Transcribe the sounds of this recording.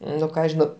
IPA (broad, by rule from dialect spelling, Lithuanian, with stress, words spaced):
ˈnʊ ˈkɑː ʒʲɪˈnɐʊ